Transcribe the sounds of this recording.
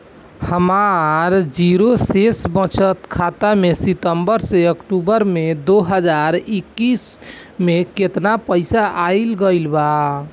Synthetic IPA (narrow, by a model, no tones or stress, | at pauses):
həmaɾd͡ʒiɾosesbə̃t͡ʃʰət̪kʰat̪amesit̪əmbəɾseəkʈubəɾmed̪oɦəd͡ʒaɾikːis | meket̪napəɪsaʔaɪlɡəjlba